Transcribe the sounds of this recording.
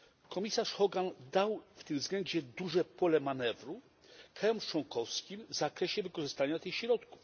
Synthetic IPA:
kɔmʲisaʂxɔɡand̪awft̪ɘmzɡlɛɲd͡ʑɛd̪uʐɛpɔlɛmanɛvɾu | kɾajɔmt͡ʂwɔŋkʰɔfskʲimvzakɾɛɕɛvɘkɔʐɘst̪aɲat̪ɘxɕɾɔt̪ku̥f

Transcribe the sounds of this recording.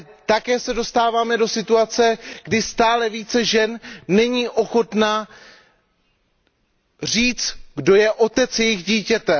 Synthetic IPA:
t̪akɛːsɛdo̞st̪aːvaːmɛdo̞sɪt̪uat͡sɛɡ̥dɪst̪aːlɛviːt͡sɛʒɛnːɛɲiːʔo̞xo̞t̪na | riːt͡st̪ɡdo̞jɛʔo̞t̪ɛt͡sjɛjɪɣɟiːcɛt̪ɛ

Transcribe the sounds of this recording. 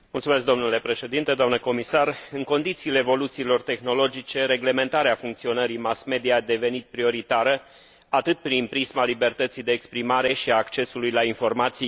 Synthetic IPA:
mult̪sumes̬k̚d̪o̞mnule̞pɾe̞ʃe̞d̪int̪ed̪oamnəko̞misarɨŋko̞nd̪it̪siːle̞ːvo̞lut̪siːlo̞rt̪e̞xno̞lo̞d͡ʒit͡ʃe̞ɾe̞ɡle̞me̞nt̪aɾeafuŋk̚t̪sio̞nəɾimasme̞d̪ijad̪e̞ve̞nit̪̚pɾio̞ɾit̪aɾə | at̪ɨt̪̚pɾinpɾismalibe̞rt̪ət̪sijd̪e̞ːkspɾimaɾe̞ʃiaːkt͡ʃe̞sulujlainfo̞rmat̪si

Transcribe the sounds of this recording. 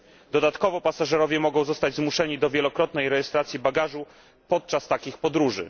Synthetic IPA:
d̪ɔd̪at̪kɔvɔpasaʐɛɾɔvʲjɛmɔɡɔ̃w̃zɔst̪ad͡ʑzmuʂɛɲid̪ɔvʲjɛlɔkɾɔt̪nɛjɾɛjɛst̪ɾat̪sʲjibaɡaʐu | pɔt̪̚t͡ʂast̪akʲixpɔd̪ɾuʐɘ̰

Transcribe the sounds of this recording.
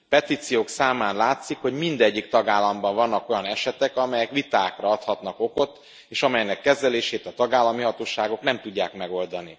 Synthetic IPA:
pɛt̪iːt̪sijoːksaːmaːnlaːt̪sikho̞ɟmind̪ɛɟːikt̪ɒɡaːlːɒmbɒɱvɒnːɒko̞jɒnɛʃɛt̪ɛkɒmɛjɛkʋit̪aːkrɒɒt̪hɒt̪nɒko̞ko̞t̪ː | eːʃɒmɛjnɛkːɛzɛleːʃeːt̪ɒt̪ɒɡaːlːɒmiɦɒt̪oːʃaːɡo̞knɛmt̪uɟːaːkmɛɡo̞ld̪ɒni

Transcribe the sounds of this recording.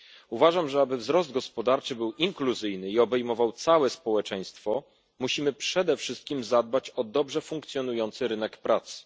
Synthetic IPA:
uvaʐamʐɛabɘvzɾɔzd̪̚ɡɔspɔd̪aɾt͡ʂɘbɘwiŋkluzɘjnɘiɔbɛjmɔvawt̪sawɛspɔwɛt͡ʂɛj̃st̪fɔ | muɕimɘpʂɛd̪ɛfʂɘst̪̚kʲimzad̪̚bat͡ɕɔd̪ɔbʐɛfuŋk̚t̪sjɔnujɔnt̪sɘɾɘnɛkpɾʔat̪s

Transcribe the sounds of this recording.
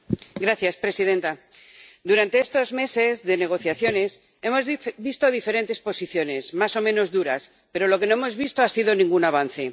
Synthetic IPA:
ɡɾaθjaspɾe̞sið̞ẽ̞nt̪a | d̪uɾant̪eest̪ozme̞se̞zðe̞ne̞ɣ̞o̞θjaθjo̞ne̞s | e̞mo̞zβist̪oðifeɾe̞nt̪e̞spo̞siθjo̞ne̞zmaso̞mẽno̞zðuɾas | pe̞ɾo̞lo̞ke̞noemo̞zβist̪oasiðo̞nĩŋɡunaβ̞an̟θe̞

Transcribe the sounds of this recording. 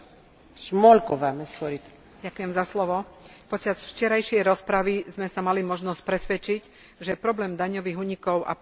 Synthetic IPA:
ʃmɔlkɔʋamɛsxɔɾit̪ | ɟakujɛmzaslɔʋɔpɔt͡ʃazft͡ʃɛɾajʃɪɛjɾɔspɾaʋizmɛsamalimɔʒnɔsc̚pɾɛsʋɛt͡ʃic | ʒɛpɾɔblɛːmd̪aɲɔʋiːɣuːɲikɔʊʔa̰

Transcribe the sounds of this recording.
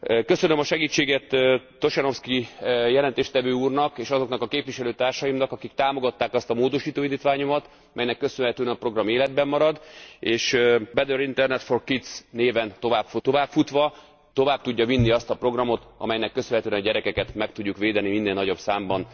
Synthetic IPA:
kø̞sø̞nømɒʃɛɡiːt͡ʃːeːɡɛt̪ː | o̞ʃɛno̞fskijɛlɛnt̪eːʃt̪ɛvøːuːrnɒkeːʃɒzo̞knɒkɒkeːpʋiʃɛløːt̪aːrʃɒjimnɒkɒkik̚t̪aːmo̞ɡɒt̪ːaːkɒst̪ɒmoːd̪o̞ʃiːt̪oːind̪iːt̪ʋaːɲomɒt̪ | mʔɛjnɛkːø̞sønɦɛt̪øːɛnɒpro̞ɡrɒmeːlɛd̪̚bɛmːɒɾɒd̪eːʃbɛd̪øɾint̪ɛrnɛt̪fo̞rkit̪sneːvɛnt̪ovaːbft̪o̞vaːpfut̪ʋɒ | t̪o̞vaːb̚t̪uɟːɒvinːiɒst̪ɒpro̞ɡrɒmo̞t̪ɒ̰mɛjnɛkːø̞sønɦɛt̪øɛnɒɟɛɾɛkɛkɛt̪mɛk̚t̪uɟːukʋeːd̪ɛniminːeːlnɒɟo̞bsaːmbɒn

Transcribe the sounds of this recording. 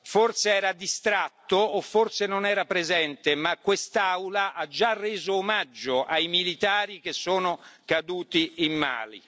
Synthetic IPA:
forseɛːɾad̪ist̪ɾat̪ːoːfːorsenonɛːɾapɾezɛnt̪emakːwest̪awlaʔad͡ʒːarːeːzoːmad͡ʒːoʔajmilit̪aːɾik̟esːoːnokad̪uːt̪iimːa̰ːlḭ

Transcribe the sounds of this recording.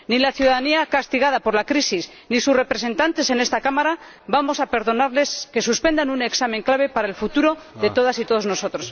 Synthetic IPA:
nilaθjuðaðaniakast̪iɣaðapo̞ɾlakɾisis | nisusre̞pɾe̞s̬e̞nt̪ant̪e̞se̞ne̞st̪akamaɾa | bamo̞sape̞ɾðo̞naɾle̞ske̞suspe̞nd̪anune̞ksameŋklaβ̞e̞paɾae̞lfut̪uɾo̞ðe̞t̪o̞ð̞asit̪o̞ð̞o̞zno̞so̞t̪ɾo̞s

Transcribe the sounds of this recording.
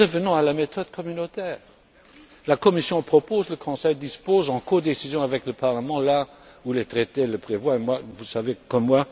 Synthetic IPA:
ʁəvənɔ̃alamet̪ɔd̪̚kʰɔmynot̪ɛːʁ | lakɔmisjɔ̃pχɔpozləkʰɔ̃sɛjd̪ispozɑ̃kod̪esizjɔ̃avɛkləpaʁləmɑ̃la | ulet̪ʁet̪eləpχevwaemwavusavekɔmːwa

